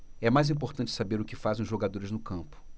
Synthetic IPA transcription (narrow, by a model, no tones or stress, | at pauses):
ɛmajzĩpoɾt̪ɐ̃t͡ʃɪsabeɾʊkɪfazẽʊzʒoɡad̪oɾɪznʊkɐ̃mpʊ̥